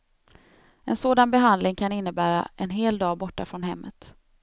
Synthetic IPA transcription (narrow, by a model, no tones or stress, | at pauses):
ɛnsoːd̪anbɛɦand̪lɪŋkʰanɪnːəbæːɾa̰ʔɛnɦeːld̪ɑːbɔʈːafɾɔnɦɛmːət̪